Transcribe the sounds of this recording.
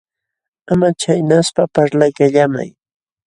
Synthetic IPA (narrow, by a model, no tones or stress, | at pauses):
amat͡ʃajnaspapaɾlajkaʎama̰j